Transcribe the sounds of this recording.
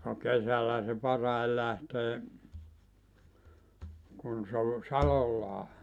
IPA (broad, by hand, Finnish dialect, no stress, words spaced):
no kesælˑæh̆æ se pɑrɑi læhteː kun se o sɑlolːɑː